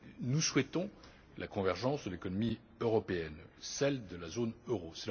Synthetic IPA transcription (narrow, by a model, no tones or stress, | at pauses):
nuswɛt̪ɔ̃ | lʔakɔ̃vɛʁʒɑ̃sd̪əlekɔnɔmi | øʁɔpeɛnsɛld̪əlazonøʁosɛl